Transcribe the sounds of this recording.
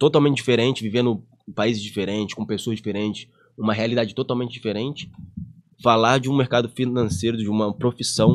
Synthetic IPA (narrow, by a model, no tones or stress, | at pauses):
t̪ot̪awmẽt͡ʃɪd͡ʒifeɾẽnt͡ʃɪvivẽnd̪ʊ | paizɪzd͡ʒifeɾẽnt͡ʃɪskõpesoɐzd͡ʒifeɾẽnt͡ʃɪ̥s | ũmɐɦealid̪ad͡ʒɪt̪ot̪awmẽnt͡ʃɪd͡ʒifeɾẽnt͡ʃɪ̥ | falaɾd͡ʒɪũmeɾkad̪ʊfinɐ̃sejɾʊd͡ʒɪũmɐpɾofisɐ̃w̃